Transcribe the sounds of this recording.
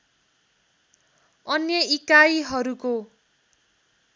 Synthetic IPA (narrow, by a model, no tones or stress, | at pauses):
ʌnjʌikajɦʌɾuko